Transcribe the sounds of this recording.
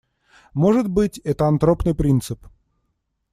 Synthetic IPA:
moʐɨt̪bɨtʲɛt̪əɐnt̪ɾopnɨjpɾʲint̪sɨp

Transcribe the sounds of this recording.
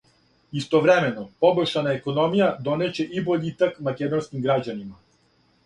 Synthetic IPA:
ist̪ɔvɾɛmɛnɔpɔbɔʃanaɛkɔnɔmijad̪ɔnɛt͡ɕɛʔibɔʎʲit̪akmakɛd̪ɔnskimɡɾaɟanima

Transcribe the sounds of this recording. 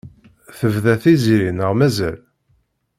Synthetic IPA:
θəvðæθiziɾinəʁmæzæl

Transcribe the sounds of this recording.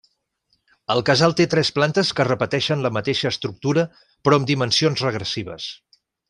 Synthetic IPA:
əlˠkəzalˠt̪et̪ɾɛsplant̪əskərəpət̪ɛʃənləmət̪eʃəːst̪ɾuk̚t̪uɾə | pɾɔəmd̪imənsionzrəɣ̞ɾəsiβ̞ə̰s

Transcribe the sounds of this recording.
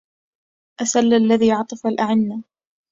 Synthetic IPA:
ʔasalːalːaðiːʕɑt̪ˤɨfalʔaʕɪnːa

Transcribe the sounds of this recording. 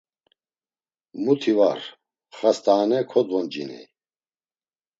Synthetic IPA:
mut̪ʰivaɾ | χast̪ʰʼaːnɛkʰɔd̪vɔnd͡ʒinḭ

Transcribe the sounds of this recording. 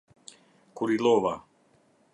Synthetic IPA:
kuɾilova

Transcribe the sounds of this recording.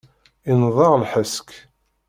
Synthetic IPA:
inðˤɑʁlħəsk

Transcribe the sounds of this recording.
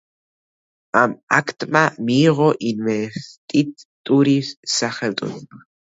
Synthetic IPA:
ama̰kʰt̪ʼmamiːʁɔʔinvɛst̪ʼitt̪ʼuɾisːaχɛlt̪ʼṵn

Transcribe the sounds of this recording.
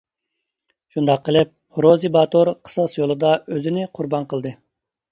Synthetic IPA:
ʃund̪ɑqʰːəlˠɨɪp̚ | ɾozibɑt̪oɾqʰə̥sɑsjolˠɨd̪ɑʔøzɪnɪqʰʊɾbɑnqʰəlˠd̪ɨ

